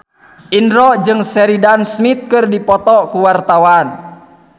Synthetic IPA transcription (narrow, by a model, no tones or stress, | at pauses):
ʔindɾɔd͡ʒɨŋsɛɾidansmit̪̚kɨrdipɔt̪ɔkuwart̪awan